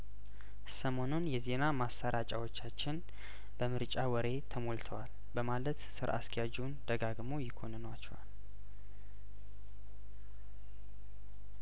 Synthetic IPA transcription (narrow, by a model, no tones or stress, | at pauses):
səmo̞nunjɛze̞namasːaɾʔat͡ʃʼawo̞t͡ʃːat͡ʃːɪn | b̥əmɨɾt͡ʃʼawɔɾe̞t̪ʰəmolt̪ʰəwal | bəmalət̪sɨɾʔa̰skʰʼɛjad͡ʒund̪əɡaɡmo̞jɪkʰo̞nənwat͡ʃːɛwal